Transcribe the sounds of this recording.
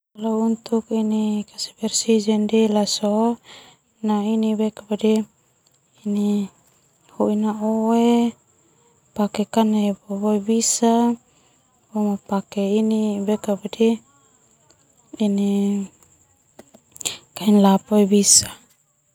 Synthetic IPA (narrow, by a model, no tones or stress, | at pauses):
kalaunt̪ukinikasi̥bɛrsid͡ʒɛndɛlaso | nainibɛkabadɛː | ni | huinaowe | pakɛkanebɔboebisa | bomapakɛinibɛkabadɛ | ini | kainlapoebisa